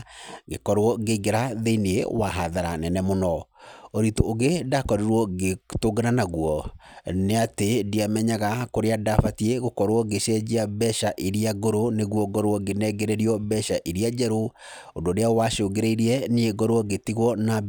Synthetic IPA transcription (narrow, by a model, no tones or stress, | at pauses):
ɡekɔɾwɔɡeiɡeɾaðeinewaɦaðaɾanɛnɛmonɔoɾitoːɣedakɔɾeɾwɔɡetoɡeɾanaɣwɔneatediamɛɲaɣakoɾeadafatieɣokɔɾwɔɡeʃɛd͡ʒeabɛʃaʔiɾiaɡoɾoneɣwɔɡɔɾwɔɡenɛɡeɾeɾiɔbɛʃaʔiɾiad͡ʒɛɾo | ondoɾeawaʃoɡeɾeiɾiɛnieɡɔɾwɔɡetiɣwɔna